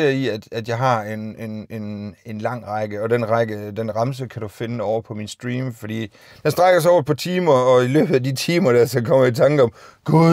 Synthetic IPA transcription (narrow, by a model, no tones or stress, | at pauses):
ɐiæd̥æd̥jɑ̈ɪɦɑ̈e̝nene̝ne̝nlɑ̈ŋ̰ʁɑ̈ɡ̥əɒ̽d̥enʁɑ̈ɡ̥əd̥enʁɑ̈ms̬əkʰæd̥ufe̝nəɒʊ̰ɐpʰɒ̽minsd̥ʁiːmfɒd̥ḭː | d̥ensd̥ʁɑɡ̥ɐs̬ɒʊɐpʰɒ̽t͡sʰiːmɐɒ̽ilø̰ːb̥ð̩ˠædit͡sʰiːmɐd̥æɐsɒ̽kʰɒ̽m̰ɐit͡sʰɑ̈ŋɡ̥əɒ̽mɡ̥u